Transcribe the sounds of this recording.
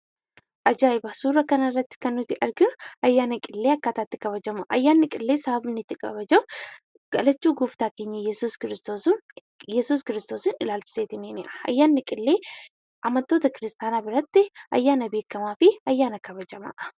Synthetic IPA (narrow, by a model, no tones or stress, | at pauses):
ʔɐd͡ʒaːjɪbɐsuːrɐkɐnɐrːɐt̪ːɪ̥kɐnːʊt̪ɪʔɐɾɡɪʊɐjːaːnɐkʼɪlːeːɐkːaːt̪aːt̪ːɪ̥kɐβɐd͡ʒɐmɐʔɐjːaːnːɪkʼɪlːe̞ːsɐɐbɪnːɪt̪ːɪkʼɐ̰βɐd͡ʒɐm | ɡ̥ɐlɐt͡ʃːuːɡuːft̪aːke̞ːɲːɐjɛsuːskɪɾɪst̪oːsʊn | jɛsuːskɪɾɪst̪o̞ːsɪnɪlaːlt͡ʃɪ̥seːt̪ɪniːnɪʔɐ̥ɐ̰jːaːnːɪkʼɪlːe̞ː | ʔɐmɐnt̪oːt̪ɐkɪɾɪst̪aːnaːbɪɾɐt̪ːɪɐ̰jːaːnɐbe̞ːkːɐmaːfɪɐjːaːnɐkɐβɐd͡ʒɐmɐ̰ʔ